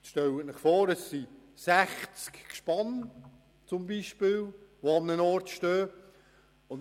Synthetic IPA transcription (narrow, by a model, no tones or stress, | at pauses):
ʃtɛlətnɪχfɔːɾəsːi | sæχt͡skkʃpɑn | t͡sʊmbiʃpɪːlʋoɑmnənɔrtʃtøː | ʊn